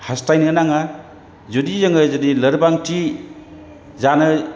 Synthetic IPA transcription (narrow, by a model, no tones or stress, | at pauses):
hastajnɯnaŋa | zudizaŋɯzɯdilɐɾbaŋti | zanɯ